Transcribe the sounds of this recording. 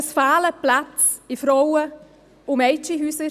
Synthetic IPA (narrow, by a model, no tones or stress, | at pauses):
sfaːləplat͡sɪfɾɔwə | ʊmɛɪt͡ʃiɦyːsə